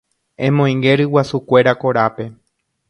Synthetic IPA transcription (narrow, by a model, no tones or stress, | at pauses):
ẽmõĩŋɡeɾɨwasukʷe̞ɾakoɾape̞